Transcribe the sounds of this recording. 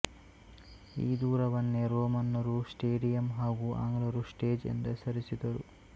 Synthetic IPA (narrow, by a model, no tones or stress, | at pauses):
iːd̪uːɾɐʋɐnːeɾoːmɐnːɐɾusʈeːɖijɐmɦaːɡuʔa̰ŋɡlɐɾusʈeːd͡ʒḛnd̪ɐsɐɾisid̪ɐɾṵ